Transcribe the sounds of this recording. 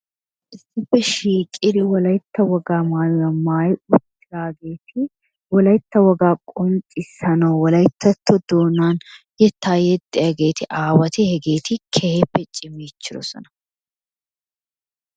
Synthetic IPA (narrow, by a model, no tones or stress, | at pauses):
ʔɪsːɪbɛʃiːkʼɪd̪ɪwɔlɐjt̪ːɐwɔɡaːmaːjɐmaːjʊt͡ʃːɪlaːɡe̞ːt̪ʰɪ | wɔlɐjt̪ːɐwɔɡaːkʼʊnt͡ʃʼɪsɐnɐwwɔlɐjt̪ːɐt̪ʰːɔd̪oːnaːn | jɛt̪ːaːjɛt̪ʼːɪjaɡe̞ːt̪ʰɪʔaːwɐt̪ɪhɛɡeːt̪ʰɪkʰɛhebːɛt͡ʃʼːɪmːiːt͡ʃːɪɾɔ̰sɔ̰nɐ